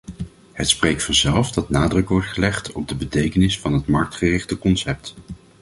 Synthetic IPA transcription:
ɦətsprejktfɑnzɛlˠfdɑtnaːdrɵkʋɔɹtχəlɛχtʰɔb̚dəbətejkənɪsfɑnɦətmɑɹk̚tχərɪχtəkɔnsɛp̚t

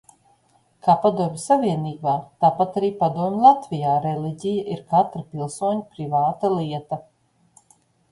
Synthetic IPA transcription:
kaːpad̪uɔmʲsaviɛniːbaːt̪aːpat̪aɾiːpad̪uɔmʲlˠat̪vʲijaːɾeliɟʲijaʔiɾkat̪ɾapilˠsuɔɲipɾivaːt̪alˠiɛt̪ɐ

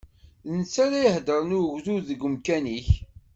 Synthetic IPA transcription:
ðənt͡sːaɾajəhd̪əɾˤnuʝðuðəɡːəmkæniç

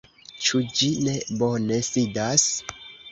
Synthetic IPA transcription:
t͡ʃud͡ʒine̞bo̞ne̞sidas

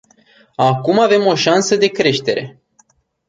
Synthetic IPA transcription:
akumave̞mo̞ʃansəd̪e̞kɾe̞ʃt̪e̞ɾe̞̰

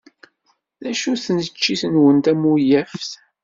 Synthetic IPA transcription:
ðæʃuθnət͡ʃːiθənwənt̪æmujæfθ

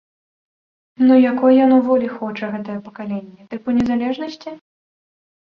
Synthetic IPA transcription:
nujakɔjjanuvɔlʲixɔt͡ʂɐɣɛt̪ɐjɐpɐ̥kalʲenʲːɛt̪ɨpunʲɛzalʲɛʐnɐsʲt͡sʲi

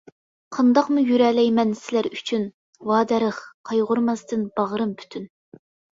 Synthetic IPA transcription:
qʰɑnd̪ɑqmujyɾɛːlɛjmɛnsɪlæɾyt͡ʃʰyn | wɑːd̪ɛɾɨχqʰɑjʁʊɾmɑst̪ɨnb̥ɑʁɾɨmpʰy̥t̪ʰyn

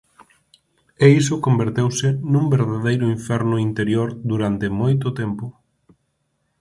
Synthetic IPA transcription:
eisʊkombeɾt̪ewsɪnũmbeɾðaðejɾʊiɱfɛɾnʊint̪eɾjoɾd̪uɾant̪ɪmojt̪̬ʊt̪ɛmpʊ

